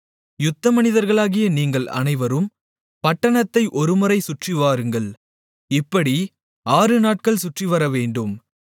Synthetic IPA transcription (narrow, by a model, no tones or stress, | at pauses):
jʊt̪ːɐmɐnɪðɐɾɣɐɭaːɣɪjɐniːŋɡɐɭɐ̰nɐɪʋɐɾɯm | pɐʈːɐɳɐt̪ːɐɪʔɔɾɯmʊɾɐɪsʊʈrɪʋaːɾɯŋɡɐɭ | ɪpːɐɽi | aːɾɯnaːʈ̚kɐɭsʊʈriʋɐɾɐʋeːɳɖɯm